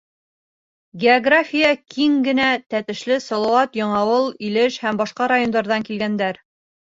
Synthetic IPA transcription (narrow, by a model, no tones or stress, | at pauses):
ɡʲeoɡrafʲijəkʰiŋɡɘ̆næt̪æt̪ɘ̆ʃlɘsɑlˠɑwɑt̪jɑɴɑwɤlˠilɘʃhæmbɑʃqɑɾajond̪ɑɾðɑŋkilɡænd̪æɾ